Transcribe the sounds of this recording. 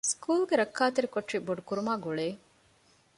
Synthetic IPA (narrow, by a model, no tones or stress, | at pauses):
skuːlɡeɾɐkːaːt̪eɾikoʈʂiboɖukuɾumaːɡuɭeː